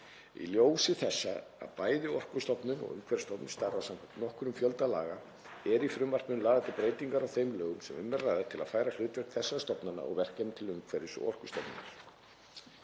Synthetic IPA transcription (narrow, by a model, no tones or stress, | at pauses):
ḭljoːwsɪθɛsːa̰a̰ðpaːjðɪɔr̥kʏst̪ɔpnʏnɔ̰ɣʏ̰mkʰvɛɾst̪ɔpnʏ̥st̪aɾvasam | nɔhkʏɾʏmfjœlt̪ala̰ːɣa | ɛɾifɾʏmvar̥pnʏnlaːðat̪ɪpɾeːjt̪iŋkaɾawθejmlœːɣʏmsɛmʏmːɛɾrajðɪt̪ʰɪlaðfaːjɾal̥ʏːt̪vɛrknθɛsːast̪ɔpnana̰ɔ̰ɣvɛr̥cɛnt̪ʰɪlʏŋkʰvɛɾɪsɔ̰r̥kʏst̪ɔpnʏ̰na̰ɾ̥